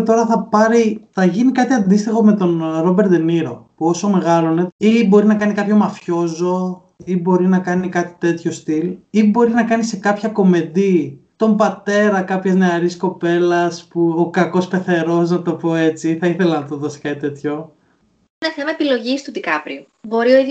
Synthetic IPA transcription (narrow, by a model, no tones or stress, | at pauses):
t̪o̞ɾɐθɐpɐɾiθɐʝinikɐt̪iɐnd̪ist̪ixo̞me̞t̪o̞nɾo̞be̞ɾd̪eniɾo̞puo̞so̞me̞ɣɐlone̞ibo̞ɾinɐkɐnikɐpço̞mɐfço̞zo̞ | ibo̞ɾinɐkɐnikɐt̪i̥t̪e̞t̪ço̞st̪ilibo̞ɾinɐkɐnise̞kɐpçɐko̞me̞nd̪it̪o̞mbɐt̪e̞ɾɐkɐpçezne̞ɐɾisko̞pe̞lɐspuokɐko̞spe̞θe̞ɾo̞s̬nɐt̪o̞po̞e̞t͡siθɐiθe̞lɐnɐt̪o̞ðosi̥kɐt̪it̪e̞t̪ço̞ | ineθemɐepilo̞ʝist̪uðikɐpɾiu | bo̞ɾio̞ið